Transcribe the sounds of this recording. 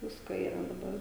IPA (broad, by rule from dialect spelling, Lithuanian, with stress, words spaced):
ˈʋʲɪskoː iːˈrɐ dɐˈbɐr